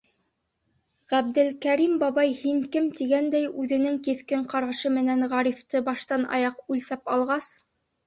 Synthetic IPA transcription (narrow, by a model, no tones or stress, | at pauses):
ʁæbd̪ɘlkæɾimbɑβɑjhiŋkɘmt̪iɡænd̪æjʉðɘ̆nɘŋkiθkɘɴqɑɾɑʃɤmɘ̆nænʁɑɾift̪ɤbɑʃt̪ɑnɑ̰jɑqʉlsæpɑlˠʁɑs